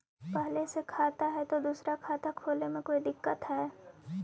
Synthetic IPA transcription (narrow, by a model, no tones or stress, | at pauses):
pɛɦlesekʰaːt̪aɦɛt̪od̪uːsɾakʰaːt̪akʰoːlemẽkoːid̪ɪkːət̪ɦɛː